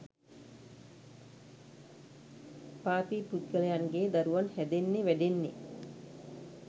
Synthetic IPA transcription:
paːpiːput̪ɡələjanɡeːd̪aɾuʋanhɛd̪enːeʋæɖenːe

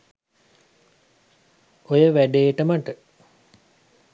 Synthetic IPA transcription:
ojəʋæɖeːʈəməʈə

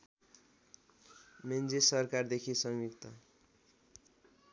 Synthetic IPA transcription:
mend͡zesʌrkard̪ekʰisʌŋwikt̪ʌ

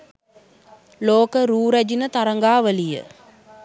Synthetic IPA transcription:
loːkəɾuːɾæd͡ʒinət̪ɐɾɐŋɡaːʋəlijə̰

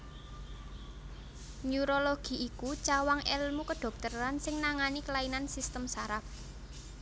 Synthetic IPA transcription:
nuɾoloɡ̥i̤ʔikut͡ʃawaŋɛlmukəɖ̥ɔ̤k̚t̪əɾansɪŋnaŋanikəlainansist̪əmsaɾap̚

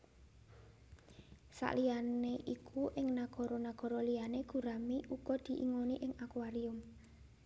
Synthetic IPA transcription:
sa̰ʔlianeʔikʰuʔɪŋnaɡ̥ɔ̤ɾɔnaɡ̥ɔ̤ɾɔlijaneɡ̥ṳɾamiʔukɔd̪̥i̤ʔḭŋoniʔɪŋakwaɾiʊm

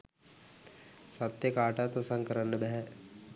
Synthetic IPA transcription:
sɐt̪jəkaːʈat̪osɐ̃ŋkəɾənːəbɛɦɛ

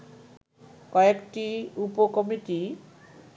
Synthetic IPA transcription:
kɔekʈiupokɔmiʈi

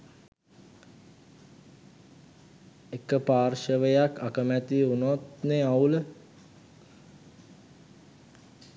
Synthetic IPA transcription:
ekəpaːrʃəʋəjakakəmæt̪iunot̪neaulə

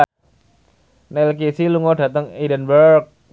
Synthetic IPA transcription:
nɛlk̬isiluŋɔd̥ä̤t̪əŋidənbək̚

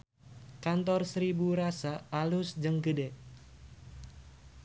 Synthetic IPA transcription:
kant̪ɔrsəɾibuɾasaːlʊsd͡ʒəŋɡədɛ

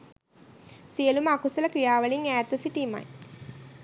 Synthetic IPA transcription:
sijəluməakusɐləkɾijaːʋəliŋæːt̪usiʈima̰j

